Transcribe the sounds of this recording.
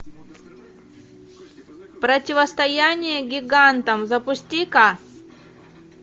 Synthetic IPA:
pɾətʲɪvəst̪ɐjanʲɪjəɡʲɪɡant̪əmzəpʊsʲtʲika

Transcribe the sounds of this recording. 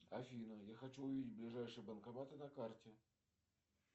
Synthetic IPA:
ɐfʲinəjaxɐt͡ɕuʊvʲidʲɪt̚ʲblʲɪʐajʂɨjəbənkɐmat̪ɨnɐkartʲɪ

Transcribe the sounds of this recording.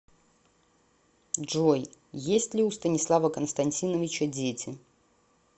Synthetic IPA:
ʐojjesʲtʲlʲɪust̪ənʲɪslˠavəkənst̪ɐnʲtʲinəvʲɪt͡ɕədʲetʲɪ

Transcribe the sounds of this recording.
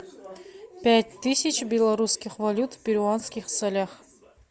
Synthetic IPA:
pʲætʲt̪ɨsʲit͡ʃbʲelˠaɾuskʲiχvalʲut̪pʲɪɾʲuanskʲiχsalʲaχ

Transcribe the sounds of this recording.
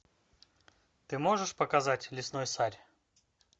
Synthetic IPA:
t̪ɨmo̞ʐɨʂpəkɐzatʲlʲɪsno̞jsaɾʲ

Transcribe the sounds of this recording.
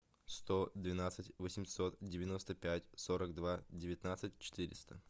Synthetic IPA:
st̪od̪vʲɪnat̪sɨtʲvəsʲɪmʲsot̪dʲɪvʲɪnost̪əpʲætʲsoɾəɡd̪vadʲɪvʲɪt̪nat̪sɨtʲt͡ɕɪ̥t̪ɨɾʲɪ̰st̪ə

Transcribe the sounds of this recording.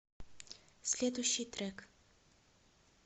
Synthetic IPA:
slʲed̪uʃit̪ɾek

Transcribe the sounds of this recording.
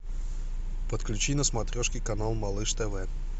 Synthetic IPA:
pət̪klʲʉt͡ɕinəsmɐt̪ɾʲoʂkʲijkɐnalˠmɐlˠɨʂt̪ɛvɛ

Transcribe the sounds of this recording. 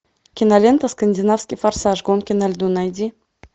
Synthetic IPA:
kʲinalʲent̪əskənʲdʲinafsʲkʲifarsɑʒɡonkʲenalʲd̪unɑjd̪ʲi

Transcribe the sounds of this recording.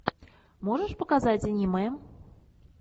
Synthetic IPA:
mɔʐəʂpɐkazat͡sʲinʲimɐjɛm

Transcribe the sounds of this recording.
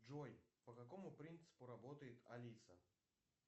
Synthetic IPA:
ʐojpəkɐkomʊpɾʲint̪sɨ̥pʊɾɐbot̪əjɪt̪ɐ̰lʲit̪sə̰

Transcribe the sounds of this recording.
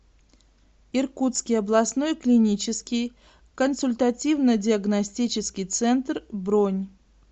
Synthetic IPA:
irkut̪skʲɪjɐblˠɐsnojklʲɪnʲit͡ɕɪskʲɪj | kənsʊlʲt̪ɐtʲivnədʲɪɐɡnɐsʲtʲit͡ɕɪskʲɪjt̪sɛnt̪rbɾonʲ

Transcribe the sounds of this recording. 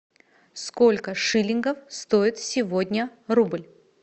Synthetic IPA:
sko̞lʲkəʂɨlʲɪnɡəfst̪oɪt̪sʲɪvo̞dʲnʲərublʲ

